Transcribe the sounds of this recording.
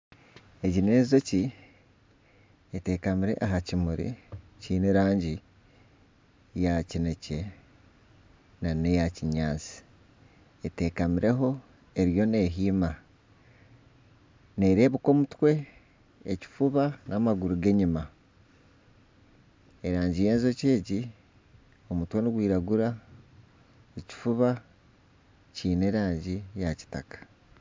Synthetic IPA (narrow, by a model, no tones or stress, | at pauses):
eɟinezo̞ci | ete̞kamiɾe̞̰ʔaɦacimuɾḭ | ciːneɾaːɲɟi | jacinece̞ | nanejaciɲaːnt͡si̥ | ete̞kamiɾe̞ɦo̞ | e̞ɾijo̞ne̞ɦiːma | ne̞ɾe̞ːβuko̞mutwe̞ː | ci̥fuβanamaɡuɾuɡe̞ɲima | eɾaːɲɟije̞ːnzo̞ce̞ːɟi | o̞mutwe̞niɡwiːɾaɡuɾa | eci̥fuβa | ciːne̞ɾaːɲɟijaci̥takḁ